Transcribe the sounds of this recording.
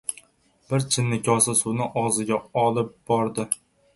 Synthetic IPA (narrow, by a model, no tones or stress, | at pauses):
b̥ɪɾt͡ʃʰɪnːɪkʰʲɒsasʊnɪʔɒzɪɡʲaɒlˠɪp̚b̥ɒɾd̪ɪ